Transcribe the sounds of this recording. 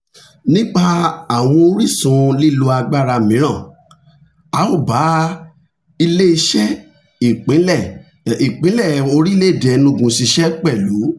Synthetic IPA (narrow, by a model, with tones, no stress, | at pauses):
nĩ˦k͡pa˧a˨w̃ɔ̃˧o˧˦ɾi˦˨sũ˧˦li˦˨˧lu˧a˧ɡ͡ba˦ɾa˧mĩ˨˦ɾ̃ã˦˨ | a˨˦o˦˨ba˨˦ | i˧le˦i˧ʃɛ˦ | i˨k͡pĩ˨˦ɛ˦˨ | i˨k͡pĩ˨˦lɛ˦˨o˧ɾi˦le˦˨dɛ˨nũ˧ɡũ˧si˧ʃɛ˦k͡pɛ˦˨lu˨˦